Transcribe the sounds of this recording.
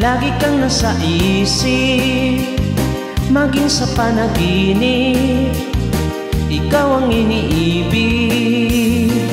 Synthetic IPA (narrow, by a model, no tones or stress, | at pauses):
laːɡɪkɐŋnɐsɐʔisɪ | mɐɡɪŋsɐpanɐbinɪ | ʔɪkawɐŋɪniʔibɪ